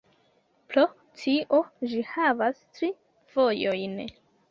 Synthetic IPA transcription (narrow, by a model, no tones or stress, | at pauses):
pɾo | tʰiʔo̞d͡ʒihavastɾi | v̥o̞jojn